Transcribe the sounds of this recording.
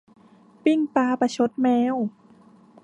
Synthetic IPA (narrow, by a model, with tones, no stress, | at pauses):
pi˧˥˩ŋpaː˧pa˧˩t͡ɕʰo˧˦˥t̪̚mɛː˧˥˨w